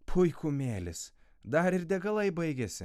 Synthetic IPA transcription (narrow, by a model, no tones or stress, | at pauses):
pʰʊɪkuːmʲeːlʲɪs | d̪ɐɾɪɾd̪ʲɛɡɐlˠɐɪbɐɪɡʲesʲɪ